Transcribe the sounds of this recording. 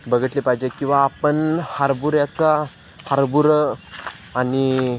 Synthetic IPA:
bəɡəʈ̪lepaɦid͡ʑekĩw̃ʋaːpənhaɾbuɾjat͡sa | haɾbuɾ | ani

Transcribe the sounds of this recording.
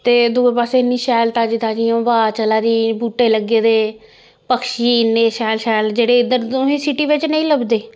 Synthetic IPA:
t̪eːd̪oːepaːseːɪnːiːʃɛːlt̪aːd͡ʒɪt̪aːd͡ʒiːõːbaːt͡ʃəlaːd̪iːbuːʈːeːləɡeːd̪eː | pəkʃiːnːeːʃɛːlʃɛːld͡ʒeːɽeːɪd̪əɾoĩːsiʈiːʋɪt͡ʃnə̃ĩːləbd̪eː

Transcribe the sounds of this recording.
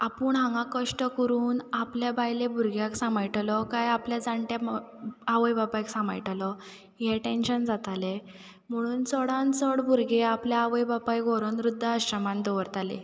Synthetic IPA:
apuːɳɦãŋɡãkəʂʈəkəɾuːnapljabajlebʱuɾɡjaksamajʈalɔkajapljad͡zaɳʈja | aʋəjbapajksãma̰jʈalɔ | jɛʈenɕənd͡zat̪ale | m̤əɽ̃uːnt͡səɽãnt͡səɽbʱuɾɡeapljaaʋəjbapajɡʱoɾənɾud̪ʱːəəɕəmãnd̪ɔʋəɾt̪alḛ

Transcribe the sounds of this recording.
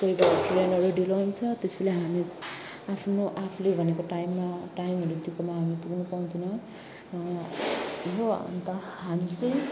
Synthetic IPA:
koibaklenʌɾuɖilount͡sʰʌt̪esileɦami | apʰnoʔapʰlebʱʌnekoʈajmːaʈajmɦʌɾud̪ikomaɦamipuɡnupaw̃d̪ʰʱinʌ | ɦo̰nt̪ʌɦamit͡sʌj̃

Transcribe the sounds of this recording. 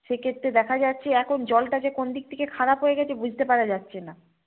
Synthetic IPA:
ʃekʰet̪ːɾed̪ɛkʰad͡ʑatːɕʰeɛkʰond͡ʑɔlʈad͡ʑekond̪ik̚t̪ʰekekʰaɽapɦojeɡɛt͡ɕʰebud͡ʑʱt̪epaɾad͡ʑatːɕʰena

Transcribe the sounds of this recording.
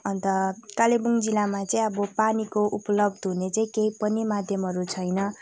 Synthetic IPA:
ʌnt̪ʌkalebuŋd͡zilamat͡saĩʌbʌpanikoʔupʌlʌbd̪ɦunet͡saĩkeipʌnimad̪ʱjʌmɦʌɾut͡sʰʌjnʌ

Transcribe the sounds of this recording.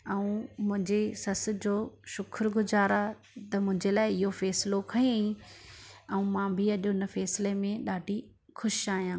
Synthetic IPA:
ɛũmʊ̃ɦɪ̃ɲd͡ʑesɐs̆d͡ʑoːʃʊkʰɾɡʊzaːɾa | t̪ɐmʊ̃ɦɪ̃ɲd͡ʑelaːɪɪɦofɛːsɪlokʰɐẽ | ɛ̃ũmãːbʱɪɐʄʊnfɛːsɪlemẽɗaːɖʱi | xʊʃaːɦijãː

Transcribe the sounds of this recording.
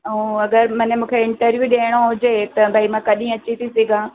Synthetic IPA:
ũɐɡəɾmɐ̃ːnemũːkʰeɪ̃ɳʈəɾʋjuːɗeːɽ̃oɦʊd͡ʑet̪ɐbʱaimãːkɐɗĩɐt͡ɕit̪ʰisiɡãː

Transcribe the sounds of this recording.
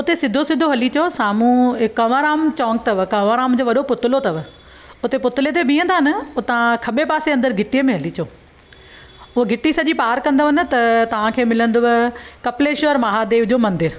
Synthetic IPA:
ʊt̪esɪd̪ʱosɪd̪ʱoɦɐlit͡ɕjosaːmũɪkːɐʋaːɾaːmt͡ɕɔ̃ːŋɡ̚t̪ɐʋkɐʋaːɾaːmd͡ʑoːʋɐɗopʊt̪ɪlot̪ɐʋ | ʊt̪epʊt̪ɪlet̪̬ebʱĩːə̃nd̪aːnɐʊt̪ɐʋãkʰɐɓepaːseɐ̃nd̪əɾɡʱɪʈijəmẽɦɐlit͡ɕoː | ʊɦɡʱɪʈisɐʄipaːɾkɐ̃nd̪oʋɐnɪ̆t̪ɐt̪ɐʋ̤ãkʰeːmɪlə̃nd̪oʋkɐpleːʃɾmɐɦad̪eːʋd͡ʑoːmɐ̃nd̪ɪɾ

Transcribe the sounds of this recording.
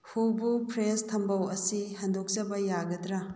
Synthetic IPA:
hubupʰɾestʰɐmbɐwɐsihɐndok̚t͡ʃɐbɐjaɡɐdɾɐ

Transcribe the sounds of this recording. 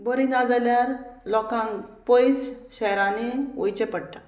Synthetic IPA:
bəɾinad͡zaljaɾlɔkãŋpojsɕɛɦɾãneojt͡ɕepəɽʈa

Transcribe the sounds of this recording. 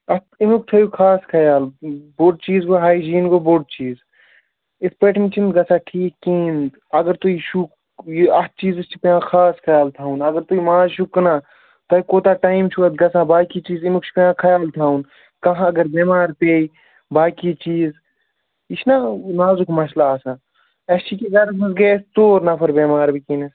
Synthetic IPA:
ɐt̪imuk̚t̪ʰɐjukʰaːskʰɐjaːlboɖ̚t͡ʃiːzɡoɦaːid͡ʒiːnɡoːboɖ̚t͡ʃiːz | ɪsʰpeːʈʰmit͡ʃʰind̪ɡɐsʰãːʈʰiːkːĩːnd̪ | ɐɡəɾt̪uiʃu | ɐt̪̚t͡ʃiːzɨst͡ʃʰipeãːxʰaːskʰɐjaːlt̪ʰaːũnɐɡəɾt̪uimãːzʃukːɐnãː | t̪ɐikoːt̪aːʈaːimt͡ʃʰuɐt̪ɡɐsãːbaːkit͡ʃiːzimukt͡ʃʰi̥peãːkʰɐjaːlt̪ʰaːun | kɐɦãɐɡəɾbeːmaːɾp̪eːi | baːkit͡ʃiːz | iʃʰnanaːzukʰmɐslaːsãː | ɐst͡ʃʰikizaːɾɐɐsɡeːst̪oːɾnɐpʰɐɾbeːmaːɾbikiːnɐ

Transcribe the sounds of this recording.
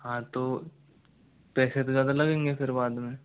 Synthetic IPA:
ɦãːt̪o | pɛːset̪ozjaːd̪alɐɡẽːŋɡefɪɾbaːd̪mẽ

